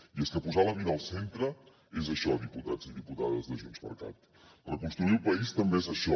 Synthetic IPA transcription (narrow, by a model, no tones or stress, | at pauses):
ieskəpuzalɐβiðalˠsent̪ɾə | ezɐʃɔðiput̪at̪ziðiput̪aðəzðəʒunzmə̰ɾka̰t̪ | ləkũnst̪ɾuiupɐist̪əmbeezɐʃɔ